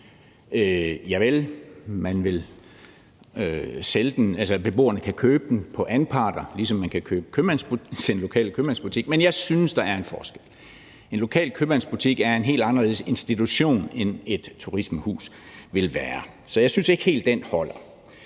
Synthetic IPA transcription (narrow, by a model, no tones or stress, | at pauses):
øjɑ̈ɪʋelmænʋe̝l | øseləd̥nælsɐb̥e̝b̥o̝̰ːɐnəkʰækʰøːb̥əd̥npʰɒ̽ʔænpʰɑ̈ːd̥ɐlisɒ̽mːænkʰækʰøːb̥əkʰøb̥ænsb̥u̥enlo̝kʰɛ̰ːlkʰøb̥ænsb̥ut͡sʰiɡ̥̚menjɑɪsynəsd̥ɑ̈æɐe̝nfɒːsɡ̥el̰ | e̝nlo̝kʰɛ̰ːlkʰøb̥ænsb̥ut͡sʰiɡ̥æɐe̝nɦe̝̰ːld̥ɑ̈nɐleðˠse̝nsd̥it͡sʰuɕo̝̰ːnene̝d̥t͡sʰuʁisməhṵːsʋe̝lʋæːɐ | sɒ̽jɑ̈ɪsynse̝ɡ̥he̝̰ːld̥ːenhɒ̽l̰ɐ